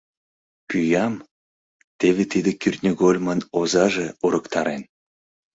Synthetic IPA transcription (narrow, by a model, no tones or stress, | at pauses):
pyjɑm | t̪eβʲet̪id̪ekyrʲt̪ʲnʲəɣolʲmɑnozɑʒeuɾəkt̪ɑɾen